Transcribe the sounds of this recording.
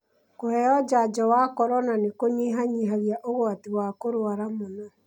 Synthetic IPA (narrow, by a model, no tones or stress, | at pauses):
kohɛɔd͡ʒad͡ʒɔwakɔɾɔnanekoɲeɦaɲiɦaɣjaʔoɣwatiwakoɾoaɾamonɔ